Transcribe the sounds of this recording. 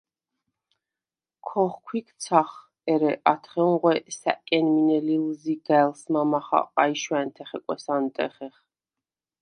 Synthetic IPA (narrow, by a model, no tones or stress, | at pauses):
kʰɔχkʰwikʰt̪sʰaχ | ɛɾɛʔat̪ʰχɛŋʁwɛsa̰ʔkʼɛnminɛlilziɡaɛlsmamaχa̰qʼaiʃwɛnt̪ʰɛχɛkʼɛ̰sant̪ʼɛ̰χɛχ